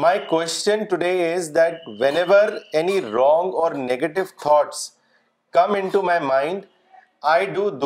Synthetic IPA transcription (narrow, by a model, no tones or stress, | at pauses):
maɪkwɛst͡ʃə̃nʈuɖeːɪzd̪æʈ̚ʋɛ̃nɛʋəɾɛniɾɔ̃ːŋɡɔːɾneɡeʈɪʋt̪ʰɔːʈs | kʌ̃mɪ̃ɳʈumaɪmãɪ̃ɳɖ | aɪɖuːd̪